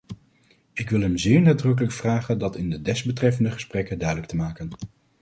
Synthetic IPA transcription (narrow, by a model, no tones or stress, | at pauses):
ɪkʋɪlˠɦɛmzɪːɹnaːdrɵk̬ələkfraːχəndɑtɪndədɛzbətrɛfəndəχə̥sprɛkədœɥdələk̚təmaːkən